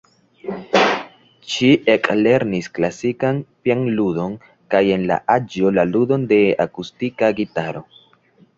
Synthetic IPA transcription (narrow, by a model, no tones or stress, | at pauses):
ʃiʔekle̞ɾnisklasikanpjanludo̞n | kaje̞nla̰ʔad͡ʒolaludo̞nde̞akustikaɡitaɾo̞̰